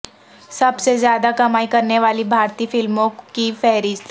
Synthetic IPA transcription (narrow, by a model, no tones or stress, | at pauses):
səbsezjaːd̪akɐmaːikəɾneʋaliːbʱaɾt̪iːfɪlmõkifɛɦɾiːz